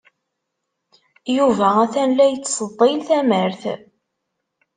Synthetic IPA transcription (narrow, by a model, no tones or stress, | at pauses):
juvææθænlæjət͡sːsˤəd̪ˤːilθæməɾθ